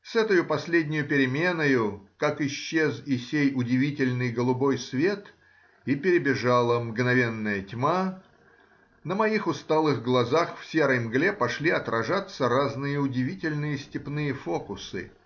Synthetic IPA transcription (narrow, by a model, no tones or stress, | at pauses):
sɛt̪əjʊpɐsʲlʲedʲnʲʊjʊpʲɪɾʲɪmʲe̞nəjʊkakɪɕːezɪsʲejʊdʲɪvʲitʲɪlʲnɨjɡəlˠʊbo̞jsvʲe̞t̪ | ipʲɪɾʲɪbʲɪʐalˠəmɡnɐvʲe̞nːəjətʲma | nəmɐixʊst̪alˠɨɣɡlˠɐzaxfsʲe̞ɾəjmɡlʲepɐʂlʲiɐt̪ɾʔɐʐat̪sːəɾaznɨjəʊdʲɪvʲitʲɪlʲnɨjəsʲtʲɪpnɨjəfo̞kʊsɨ̰